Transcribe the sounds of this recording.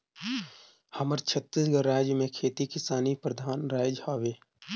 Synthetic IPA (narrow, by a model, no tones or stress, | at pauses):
həməɾt͡ʃʰət̪ːisɡəɾːaːd͡ʒjəmẽkʰeːt̪ikɪsaːnipɾəd̪ʱaːnɾaːd͡ʒhaːʋeː